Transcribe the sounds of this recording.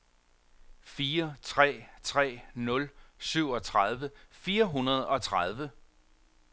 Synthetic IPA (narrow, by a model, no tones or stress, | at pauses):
fiːɐt͡sʰʁɛ̰ːt͡sʰʁɛ̰ːnɔ̽lsyʊ̰ɒ̽t͡sʰʁað̞ˠʋəfiːɐɦunɐð̞̩ˠɒ̽t͡sʰʁað̞ˠʋə